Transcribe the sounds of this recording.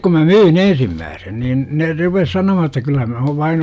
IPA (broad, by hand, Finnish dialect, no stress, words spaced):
kum mæ myːn ensimːæːsen nin ne rupes sɑnomɑhɑn etːæ kylːɑ mæ oʋ ʋɑin